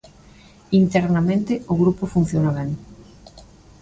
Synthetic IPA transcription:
int̪ɛɾnamẽnt̪ɪʊɣɾupʊfun̟θjonaβɛŋ

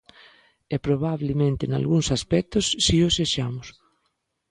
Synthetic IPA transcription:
ɛpɾoβaβlemẽnt̪ena̰lɣuŋsaspɛk̚t̪ʊsːioseʃamʊs

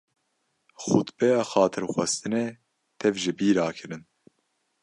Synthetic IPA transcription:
xṵt̪bɛjaːxɑːt̪ʰɨɾxʷɛst̪ɨnɛ | t̪ʰɛvʒɪbiːɾaːkʰɨɾɨn

